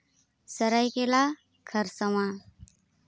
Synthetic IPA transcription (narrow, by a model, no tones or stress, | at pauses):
səɾajkela | kʰəɾsɐwã